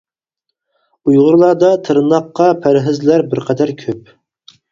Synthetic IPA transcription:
ujʁʊɾlˠɑɾd̪ɑt̪ʰɨɾnɑqːɑpʰæɾɦɪzlæɾbɪɾqʰɛd̪æɾkʲʰøp̚

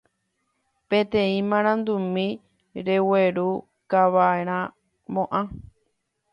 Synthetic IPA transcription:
pẽt̪ẽ̞ĩmãɾ̃ãnd̪umĩ | ɾeweɾu | kaʋaeɾ̃ã | mõʔã

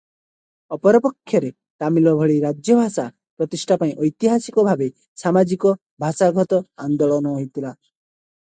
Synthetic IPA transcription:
ɔpɔɾɔpɔkʰːjɔɾe | t̪amilɔbʱɔɭiɾad͡ʒjɔbʱasa | pɾɔt̪isʈʰapaĩʔɔjt̪iɦasikɔbʱabe | samad͡ʒikɔ | bʱasaɡʱɔt̪ɔand̪ɔɭɔnɔɦoit̪ʰila

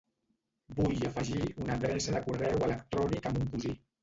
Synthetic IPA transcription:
bujəfəʒiunəðɾɛsəðəkurɛwələkt̪ɾɔnikəmbuŋkuzi

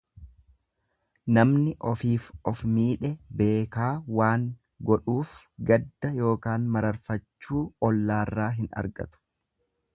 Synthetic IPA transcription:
nɐmnɪʔɔfiːfɔfmiːᶑɛbe̞ːkaːwaːŋ | ɡɔᶑuːfɡɐd̪ːɐjo̞ːkaːnmɐɾɐɾfɐt͡ʃːuːɔlːaːrːaːɦɪnɐ̰ɾɡɐ̰t̪ʊ̥

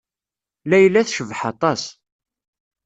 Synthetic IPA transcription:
læjlːæθʃəvħɑt̪ˤɑs

